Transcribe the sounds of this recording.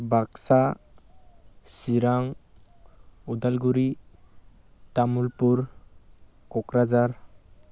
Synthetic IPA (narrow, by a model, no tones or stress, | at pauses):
baksa | siɾaŋ | ud̪alɡuɾi | tamulpuɾ | kɔkɾad͡ʒaɾ